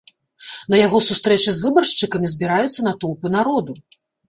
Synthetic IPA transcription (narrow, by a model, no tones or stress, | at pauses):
nɐjaɣɔsust̪ɾɛt͡ʂɨzvɨbɐrʂt͡ʂɨkɐmʲizʲbʲiɾajut̪sːɐnat̪ɔwpɨn̪aɾɔd̪u